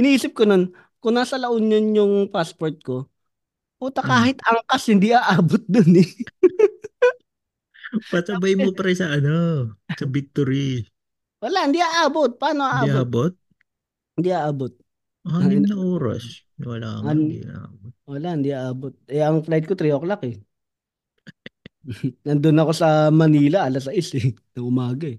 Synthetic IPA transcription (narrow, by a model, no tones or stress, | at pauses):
ʔɪniʔiːsɪp̚kono̞n | kʊŋnaːsɐlɐʔonɲonjʊŋpaspoɹt̪̚ko̞ | puːt̪ɐkaːhɪt̪ʔɐŋkashɪnd̪iʔaʔaːbot̪̚d̪onɛ | pɐsɐbajmopɐɾɐsɐʔɐnosɐbɪk̚t̪oɾi | wɐlaʔhɪnd̪iʔaʔaːbot̪̚paːnoʔaːʔdaːiaːbot̪̚ | ɪnd̪iʔaʔaːbot̪̚ | hanimnɐʔoːɾa̰snwɐla̰an̰ɐaaowɐlaʔhɪnd̪iʔaʔaːbot̪̚ʔɛʔɐŋflajd̪̚kot̪ɾiʔoklakɛ | nɐnd̪onɐko̞sɐmɐniːlɐʔɐlɐsɐʔɪsɛnɐŋʔʊmaːɡɐɛ